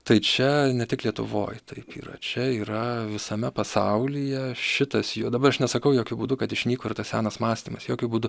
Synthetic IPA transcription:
t̪ɐɪt͡ʃʲɛnʲɛt̪ʲɪklʲiɛt̪ʊʋo̰ːjt̪ʰɐɪpḭːɾɐ̰t͡ʃʲɛiːɾɐʋʲɪsɐmʲɛpɐsɐʊlʲijɛʃʲɪt̪ɐsjuːd̪ɐbɐɾɐʃnʲɛsɐkɐʊjoːkʲʊbuːd̪ʊkɐt̪ɪʃʲnʲiːkoːɪrt̪ɐssʲæːnɐsmɑːsʲt̪ʲiːmɐsjoːkʲʊbuːd̪ʊ

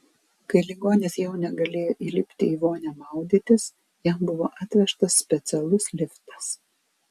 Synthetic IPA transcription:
kɐɪlʲiɡoːnʲeːsjɛʊnʲɛɡɐlʲeːjoːʔilʲɪpʲt̪ʲɪiːʋoːnʲæmɑˑʊd̪ʲit̪ʲɪs | jɛmbʊʋoːʔɑːt̪ʲʋʲɛʃt̪ɐsːʲpʲɛt̪sʲɛlˠʊslʲɪft̪ɐ̥s

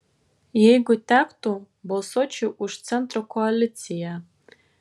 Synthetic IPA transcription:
jejɡʷʊtʰakʷʰtʰo | bolsot͡ʃʰiʔuʂt͡sʰentʰrokʰoalit͡sʰija

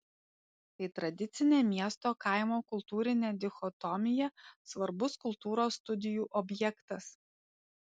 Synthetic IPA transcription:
t̪ɐɪt̪ɾɐd̪ʲɪt̪sʲɪnʲeːmʲiɛst̪oːkɐˑɪmoːkʊlˠt̪uːɾʲɪnʲeːd̪ʲɪxɔt̪ɔmʲɪjɛsʋɐɾbʊskʊlˠt̪uːɾoːsːt̪ʊd̪ʲɪjuːʔɔbʲjɛkt̪ɐs

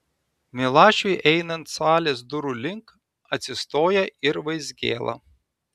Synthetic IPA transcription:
mʲɪlˠɑːʃʲʊɪʔɛɪnɐnt̪sɑːlʲeːsd̪ʊɾuːlʲɪŋk | ɐt̪ʲsʲɪst̪oːjɛɪɾʋɐɪzʲɡʲḛːlˠɐ̰

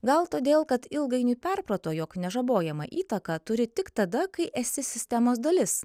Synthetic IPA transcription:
ɡɐlˠt̪oːd̪ʲeːlˠkɐt̪ɪlˠɡɐɪnuːpʲɛɾpɾot̪oːjoːknʲɛʒɐboːjɛmɐ̰ʔiːt̪ɐkɑt̪ʊɾʲɪt̪ʲɪkt̪ɐd̪ɐkɐɪʔɛsʲɪsʲɪsʲt̪ʲɛmoːsd̪ɐlʲɪs

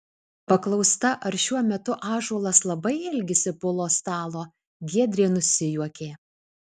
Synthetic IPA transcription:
pɐklˠɒʊst̪ɐʔɐɾʃʲuɔmʲɛt̪ʊʔɑːʒuɔlˠɐslˠɐbɐɪɛlʲɡʲɪsʲɪpʊlˠoːst̪ɑːlˠoː | ɡʲiɛd̪ʲɾʲeːnʊsʲɪjuɔkʲeː

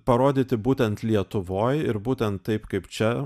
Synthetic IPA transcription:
pɐɾoːd̪ʲiːt̪ʲɪbuːt̪ʲɛnt̪lʲiɛt̪ʊʋoːjɪɾbuːt̪ʲɛnt̪tɐɪpkɐɪpt͡ʃʲɛ

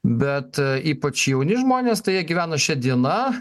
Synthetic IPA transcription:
bʲɛt̪iːpɐt͡ʃjɛʊnʲɪʒmoːnʲeːst̪ɐɪjiɛɡʲiʋʲæːnoʃʲɛd̪ʲiɛnɐ

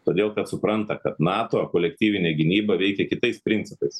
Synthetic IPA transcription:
t̪oːd̪ʲeːlˠkɐt̪sʊpɾɐnt̪ɐkɐt̪nɑːt̪oːkoːlʲɛk̚t̪ʲiːʋʲɪnʲeːɡʲɪnʲiːbɐʋʲɛɪkʲɛkʲɪt̪ɐɪspʲɾʲɪnʲsʲɪpɐɪs

